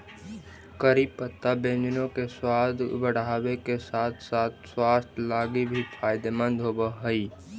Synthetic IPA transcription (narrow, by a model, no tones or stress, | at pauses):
kəɾipət̪ːabẽːnd͡ʒ̪nõkeswaːd̪bəɽ̤aːwekesaːt̪ʰsaːt̪̚ʰswaːst̪ʰlaːɡibʱipʰaːɪd̪emə̃nd̪ʱɦoːbəɦəi